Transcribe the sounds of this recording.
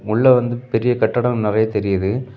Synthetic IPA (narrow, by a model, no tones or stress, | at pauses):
ʊɭːɐʋɐnd̪ɯpɛɾɪjɐkɐʈːɐɽɐmnɪrɐjɐt̪ɛɾɪjɐðɯ